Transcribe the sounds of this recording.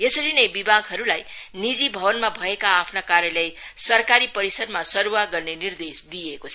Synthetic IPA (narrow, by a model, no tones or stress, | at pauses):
jesʌɾinʌjbibʱaɡɦʌɾulajnid͡zibʱʌbʌnmabʱʌekaːpʰnakaɾjʌlej | sʌrkaɾipʌɾisʌd̪masʌɾuwaɡʌrnenird̪esd̪ijekot͡sʰʌ